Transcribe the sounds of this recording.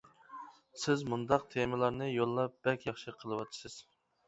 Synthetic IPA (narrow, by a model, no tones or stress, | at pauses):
sɪzmund̪ɑqt̪ʰemɨlˠɑɾnɨjolˠːɑp̚b̥ɛkʲjɑχʃɨqʰəlˠɨwɑt̪ʰɨ̥sɨz̥